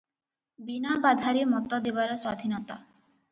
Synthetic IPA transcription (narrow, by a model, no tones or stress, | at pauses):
binabad̪ʱaɾimɔt̪ɔd̪ebaɾɔsad̪ʱinɔt̪a̰